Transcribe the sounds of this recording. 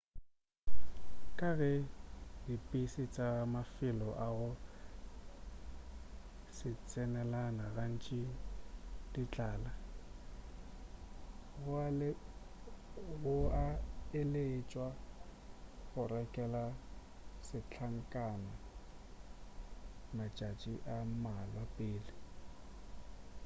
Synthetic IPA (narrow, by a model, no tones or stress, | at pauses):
kʼaɣɛdipʼisɪt͡sʼamafɪlɔʔaɣʊ | sɪt͡sʼɛnɛlanaɣan̩t͡ʃʼɪ | d̥it͡ɬʼaːla | ɣʊalɪ | ɣʊaɪlet͡ʃʼwa | ɣʊrɛkʼɛla | sɪt͡ɬʰaŋ̩kʼana | mat͡ʃʼat͡ʃʼiʔamalwapʼɪːlɪ